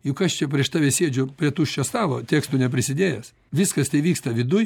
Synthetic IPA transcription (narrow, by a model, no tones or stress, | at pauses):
jʊkɐʃt͡ʃʲɛpʲɾʲiɛʃt̪ɑːʋʲeːsʲeːd͡ʒʲʊpʲɾʲiɛt̪uːʃʲt͡ʃʲɛst̪ɑːlˠo̰ːt̪ʲeːkst̪unʲɛpʲɾʲɪsʲɪd̪ʲeːjɛs | ʋʲɪskɐst̪ɐɪʋʲiːkst̪ɐʋʲɪd̪ʊj